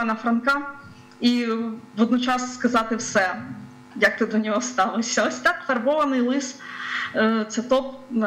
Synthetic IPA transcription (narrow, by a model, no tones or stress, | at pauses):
nɐfɾɐnkɑ | iʋɔd̪̚nɔt͡ʃɑsːkɐzɑt̪ɪwsɛ | jɐk̚t̪ɪd̪ɔnʲɔɦɔst̪ɑlˠɔsʲːɐɔsʲt̪ɑkfɐrbɔʋɐnɪjlˠɪs | t̪sɛt̪ɔp̚